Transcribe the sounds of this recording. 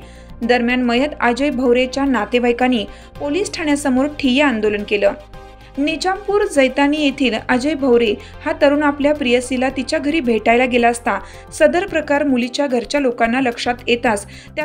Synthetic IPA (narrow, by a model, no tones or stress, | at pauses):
d̪əɾmjanməjət̪ad͡ʑəjbʱəwɾet͡ɕjanat̪eʋajkaniː | poliːsʈʰaɳjasəmoɾʈʰijeand̪olənkeləː | nid͡ʑampuːɾd͡zəjt̪aniːjet̪ʰiːlad͡ʑəjbʱəwɾe | hat̪əɾuːnapljapɾijəsilat̪it͡ɕjaɡʱəɾiːbʱeʈajlaɡelaəst̪a | səd̪əɾpɾəkaɾmulit͡ɕjaɡʱəɾt͡ɕjalokanːaləkʂat̪jet̪as | t̪ja